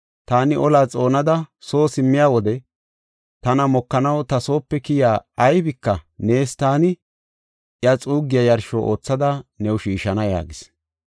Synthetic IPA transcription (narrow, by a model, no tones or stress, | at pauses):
t̪aːnɪʔɔlaːt͡sʼo̞ːnɐd̪ɐso̞ːsɪmːɪjaːwɔd̪ɛ | t̪ɐnɐmɔkːɐnɐwt̪ɐso̞ːpːɛkɪjaːɐjbɪkːɐne̞ːst̪aːnɪ | ʔjɐt͡sʼuːɡːɪjɐjɐɾʃoːʔo̞̰ːt͡sːɐd̪ɐnɛwʊʃiːʃɐnɐja̰ːɡɪs